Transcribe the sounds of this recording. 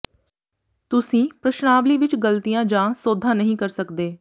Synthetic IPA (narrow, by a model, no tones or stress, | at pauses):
t̪ʊsĩːpɾəʃnaːʋliːʋɪt͡ʃɡəlt̪ijãːd͡ʒãːsoːd̪ʱːãːnəɦĩːkəɾsəkd̪eː